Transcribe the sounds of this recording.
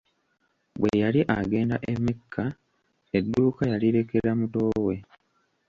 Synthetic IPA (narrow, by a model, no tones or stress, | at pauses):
βwejaliʔaɡe̞ːnda̰ʔemːikʰːa | edːuːkajaliɾe̞ke̞ɾamuto̞ːwe̞